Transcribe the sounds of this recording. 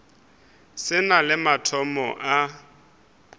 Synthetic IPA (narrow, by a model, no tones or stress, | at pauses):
sɪnalɪmatʰɔmɔ̰ʔa